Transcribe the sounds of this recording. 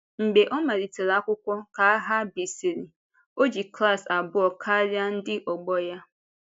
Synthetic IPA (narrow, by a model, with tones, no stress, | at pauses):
ŋ͡m̩˨ɡ͡be˨ʔɔ˦ma˨ɾi˨te˨ɾa˦kʷʊ˦kʷɔ˦ka˨a˦ɦa˦bi˨si˨ɾi˨ | o˦d͡ʒi˨kɾa˦˨sa˨bʊ˦ɔ˨kʰa˦ɾja˦n̩˦dɪ˦ʔɔ˨ɡ͡bɔ˦ja˦